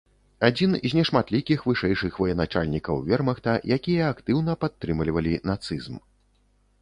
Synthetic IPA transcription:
ad͡zʲinzʲnʲɛʂmat̪lʲikʲixvɨʂɛjʂɨxvɐjɛnat͡ʂalʲnʲikɐwvʲɛrmɐxt̪ɐjakʲijɐːkt̪ɨwnɐpat̪ːɾɨmlʲivɐlʲinat̪sɨzm

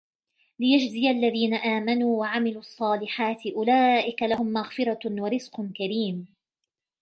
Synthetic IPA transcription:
lɪjad͡ʒzɪjalːaðiːnaʔaːmanuːwaʕamɪluʔɑsˤːɑːlɪħaːt̪ɪʔʊlaːʔɪkalahʊmːaɣfɪɾˤɑwaɾɪzqkaɾiːm

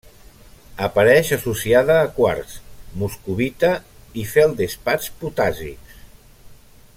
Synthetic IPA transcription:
əpəɾɛʃəsusiaðəːkwa̰ɾsmuskuβit̪ə | ifeəlˠd̪espat͡ʃput̪azḭks

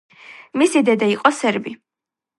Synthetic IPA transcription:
misid̪ɛd̪aiqʼɔsɛɾbi

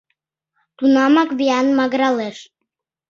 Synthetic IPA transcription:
t̪unɑmɑkβiɑnmɑɣɾɑleʃ

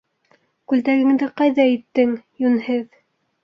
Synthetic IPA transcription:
kʉlt̪æɡɘ̆ŋd̪ɘqɑjðɑit̪ːɘŋjunhɘð

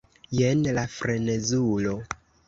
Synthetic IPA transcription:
jenlafɾenezulo

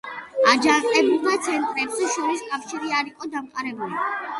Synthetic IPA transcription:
ad͡ʒaqʼɛbulˠmat̪sʰɛnt̪ʼɾɛbziʃɔɾiskʼafʃiɾiaɾiqʼɔd̪amqʼaɾɛbuli

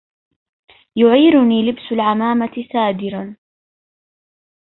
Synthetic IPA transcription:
jʊʕiːɾʊniːlɪbsʊlʕamaːmat̪ɪsaːd̪ɪɾan

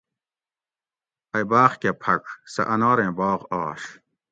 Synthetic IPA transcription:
ɐjbaːχkepʰɐksɐ̰ʔɐnɑːɾẽːbɑːʁɑːʂ

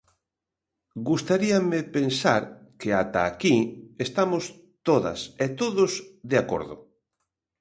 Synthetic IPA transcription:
ɡust̪aɾiamɪpensaɾkeat̪aːkiest̪amos | t̪oðɐ̰set̪oðʊsðeako̰ɾðʊ̰

